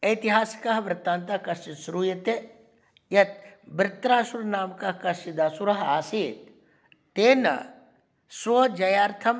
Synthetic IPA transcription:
ɐt̪iɦaːskɐɦbɾɪt̪ːaːnt̪akɐʃt͡ʃisɾuːjɐt̪e | jɐt̪̚bɾɪt̪ɾaːsuɾnaːmkɐkɐʃt͡ʃid̪aːsuɾɐɦaːsiːt̪̚ | t̪eːnɐ̰ | swod͡ʒɐjaːɾt̪ʰɐm

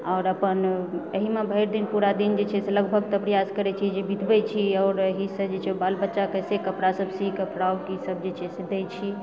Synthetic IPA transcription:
ɔʊɾəpənəɦimebʱəjɾd̪inpuɾad̪ind͡ʒet͡ʃʰɛseləɡbʱəɡ̚t̪əpɾəjaskəɾɛt͡ʃʰid͡ʒebit̪ʰbɛt͡ʃʰiɔːɾəɦisəd͡ʒet͡ʃʰɛobalbətːʃakəsekəpɽasəbsikəpɽaokisəb̚ʱd͡ʒet͡ʃʰɛsed̪et͡ʃʰi

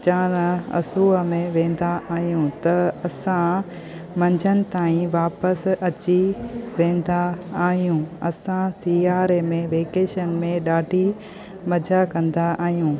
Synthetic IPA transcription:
t͡ɕãːnɐ̰suːəmẽʋẽːn̆d̪aʔaːɦijũt̪ɐɐsã | mɐ̃ɲd͡ʑʱənɪ̆t̪aːĩʋaːpəsɐt͡ɕiʋẽːn̆d̪aːɦijũɐsãsiːaːɾemẽʋeːkeːʃənmẽɗaːɖʱi | mɐd͡ʑʱakɐ̃nd̪aʔaːɦijũː

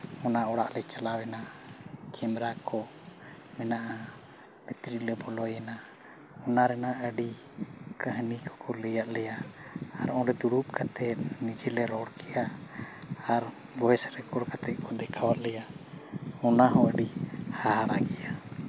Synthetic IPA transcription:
ɔnaɔɽaʔlɛt͡ʃalawɛnakʰɛmɾakʰɔ | mɛnaʔa | bit̪ɾilɛbɔlɔjɛna | ɔnaɾɛnaəɖi | kəɦnikɔ̥kɔlɛjaʔ̪lɛjaː | ɾɔ̃ɾɛd̪uɾup̚kʰat̪ɛt̪̚nid͡ʒɛlɛɾɔɽkɛjaː | ɾ | bɔɛsɾɛkɔɽkat̪ɛt̪̚kʰɔd̪ɛkʰawaʔ̪lɛja | ɔnaɦɔəɖihaɦaɾakɛja

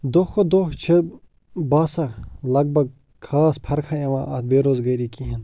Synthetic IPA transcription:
d̪oxod̪oxt͡ʃʰe | baːsalɐɡ̚bɐɡ̚ | kʰaːspʰɐɾkʰaɐʋã̰ːʔɐt̪beːɾoːzɡɐjɾikiɦɐn

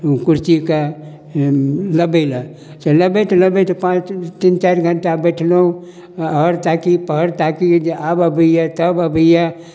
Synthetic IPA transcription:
kuɾt͡ʃika | ləbela | seləbet̪ləbet̪pãt͡ʃt̪int͡ʃaɾɡʱəɳʈabɛʈʰleũ | ɔɾt̪akipəɾt̪akiabəbʱəjat̪əbəbəja

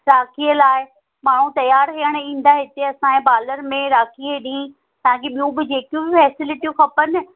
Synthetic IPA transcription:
ɾaːkʰiːəlaːɪ | maːɳ̤ũt̪ɐjaːɾɦijəɽ̃ĩːn̆d̪aɦɪt̪eɐsãẽbaːləɾmẽɾaːkʰieɗĩː | t̪ɐãkeɓijũbɪd͡ʑeːkjũbɪfɛːsɪlɪʈijũxɐpənɪ̆

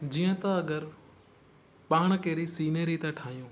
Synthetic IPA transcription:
d͡ʑiːə̃t̪aɐɡəɾ | paːɽ̃keːɾisiːneɾit̪ãʈʰaːɦijũː

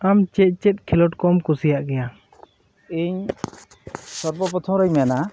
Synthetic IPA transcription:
amt͡ʃɛt̪̚ˀt͡ʃɛt̪̚kʰɛlɔʈkɔmkusijaʔɡɛja | iɲ | sɔɾbɔp̬ɔt̪ʰɔɾaɲmɛna

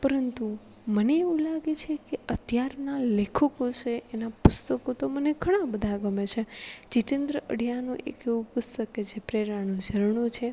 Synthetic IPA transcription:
pəɾənt̪u | məneːʋũlaɡet͡ʃʰekeət̪jaɾnalekʰəkot͡ʃʰeʔenapʊst̪əkot̪oməneɡʱəɽ̃ãbəd̪ʱaɡəmet͡ʃʰet͡ʃitẽnd̪ɾəə̰ɽ̤janũʔḛkeʋũpʊst̪əket͡ʃʰepɾeɾanũd͡ʒʱəɾɳũt͡ʃʰe

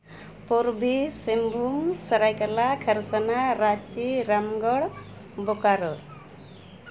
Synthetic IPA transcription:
poɾbʱisimbʱumsəɾajkəlakʰəɾsənaɾat͡ʃiɾamɡɔɽ | bokaɾɔɾ

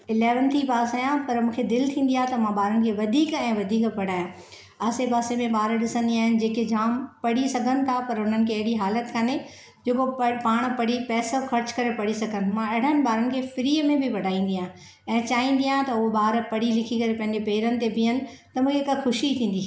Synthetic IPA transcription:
ɪleːʋənt̪ʰipaːsaːjãpɐɾmũːkʰed̪ɪlt̪ʰĩːn̆d̪iaːt̪ɐmãɓaːɾənɪkʰeʋɐd̪ʱiːkɛ̃ːʋɐd̪ʱiːkpɐɽ̤aːjã | aːsepaːsemẽɓaːɾɗɪsə̃nd̪iaːɦɪnɪ̆d͡ʑeːked͡ʑaːmpɐɽisɐɡʱənɪ̆t̪ʰapɐɾʊn̤ənɪ̆kʰeɐɦɪɽiɦaːlət̪kaːne | d͡ʑoːkoppaːɽ̃pɐɽipɛːsəxɐɾt͡ɕkɐɾepɐɽisɐɡʱənɪ̆mãɐɽ̤ənɪ̆ɓaːɾənɪ̆kʰefɪɾiːəmẽbʱɪʋɐɖʱaːĩːn̆d̪ijaː | ɛ̃ːt͡ɕaːɦĩːn̆d̪ijãːt̪ɐʊɦoɓaːɾpɐɽ̤ilɪkʰikɐɾepɐ̃ɦɪ̃ɲ̆d͡ʑepeːɾənɪ̆t̪ebĩənɪ̆ | t̪ɐmũːkʰekɐxʊʃit̪ʰĩːn̆d̪iː

